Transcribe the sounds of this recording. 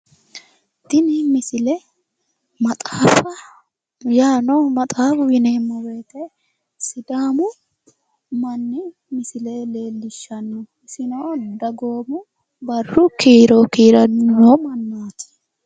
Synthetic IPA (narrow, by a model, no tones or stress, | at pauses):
d̪̥ɪnɪmɪsɪlɛ | mɐt̪ʼaːfɐ | jaːnɔmɐt̪ʼaːfwɪneːmːɔbe̞ːt̪e | sɪd̪aːmʊ | mɐnːɪ | mɪsɪleleːlːɪʃːɐnːɔ | ɪsɪnod̪ɐɡoːmʊ | bɐrːʊkiːɾokiːɾɐoːmɐnːaːt̪ɪ̥